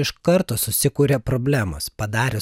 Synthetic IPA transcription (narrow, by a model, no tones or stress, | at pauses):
ɪʃkɐɾt̪oːsʊsʲɪkuːɾʲepɾoːbʲlʲæːmo̰spɐd̪ɑːɾʲe